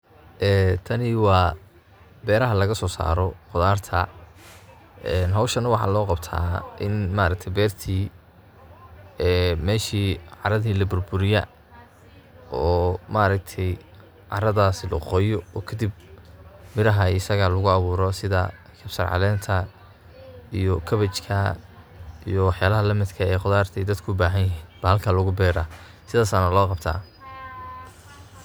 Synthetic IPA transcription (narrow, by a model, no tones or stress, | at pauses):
ʔɛːt̪ʰɐnɪwɑː | bɛːɾɐɦɐlɐɣɐsɔːsa̰ːɾɔqʊðaːrt̪ʰɐ | ɛːnɦɐwʃɐnɐwɑħɑ̰ːlɔːqɑbt̪ʰa̰ːʔɪnmaːɾɐk̚t̪ʰɛjbɛːrt̪ʰiː | ɛːmɛːʃiːʕɑɾɐðiːlɐbʊrbʊɾɪjɐ̰ | ɔːmaːɾɐk̚t̪ʰɛj | ʕɑ̰ɾɐðaːsɪlʊqɔːjɔɔːkʰɐd̪ib | mɪɾɐɦɐɪsɐɣalʊɣʊɑβuːɾɔsɪðɐ̰ | kʰɐbsɐ̰rʕɑ̰lɛːnt̪ʰɐ | ijɔkʰɐβɐt͡ʃkʰɐ | ḭjɔwɑħjaːlɐɦɐlɐmɪd̪kʰɐɛjqʊðaːrt̪ʰɛjd̪ɐd̪kʰʊʊbaːɦɐnjɦiːbɐhɐlkʰaːlʊɣʊbɛːɾa | sɪðaːsanɐlɔːqɑbt̪ʰa̰ː